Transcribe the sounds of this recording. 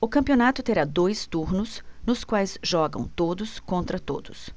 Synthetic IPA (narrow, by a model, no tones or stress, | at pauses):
ʊkɐ̃pionat̪ʊt̪eɾad̪ojst̪uɾnʊsnʊskwajsʒɔɡɐ̰̃w̃t̪od̪ʊskõnt̪ɾɐt̪od̪ʊs